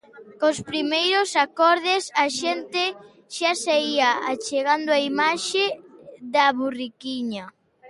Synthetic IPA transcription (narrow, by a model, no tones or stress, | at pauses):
kospɾimejɾosakɔɾð̞ɪsaʃent̪ɪ | ʃasaiɐat͡ʃeɣand̪ʊaimaʃeðɐβurikiɲɐ